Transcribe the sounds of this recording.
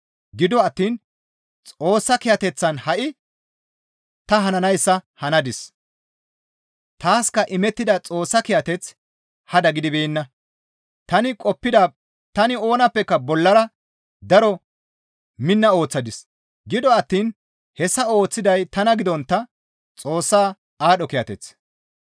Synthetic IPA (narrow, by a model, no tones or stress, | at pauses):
ɡɪd̪ɔɐt̪ːiːn | t͡sʼo̞ːsːɐkɪjɐt̪ɛt͡sːɐnhɐʔɪ | t̪ɐɦɐnɐnɐjsːɐhɐnɐd̪ɪs | t̪aːskɐʔɪmɛt̪ːɪd̪ɐt͡sʼo̞ːsːɐkɪjɐt̪ɛt͡s | hɐd̪ɐɡɪd̪ɪbeːnːɐ | t̪ɐnɪkʼɔpːɪd̪ɐ | t̪ɐnɪo̞ːnɐpːɛkːɐbɔlːɐɾɐ | d̪ɐɾɔ | mɪnːɐo̞ːt͡sːɐd̪ɪs | ɡɪd̪ɔɐt̪ːiːn | hɛsːɐo̞ːt͡sːɪd̪ɐjt̪ɐnɐɡɪd̪ɔnt̪ːɐ | t͡sʼo̞ːsːaː | aːɗɔkɪjɐt̪ɛt͡s